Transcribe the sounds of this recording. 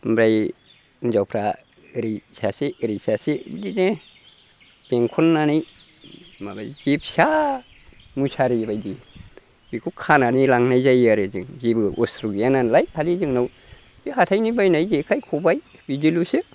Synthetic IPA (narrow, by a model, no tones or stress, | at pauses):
bɾaj | nzawpʰɾa | ɾisasiɾisasidine | b̥eŋkʰɔnːanaj | maba̰jzip̚sa | musʰaɾibajdi | bikʰukʰananilaŋnajzajaɾɯzɯŋzibɯʔɔstɾuɡijananlajpʰalizɯŋnaw | iɦatʰajnibajnajzekʰajkʰɔbajbidilusɯ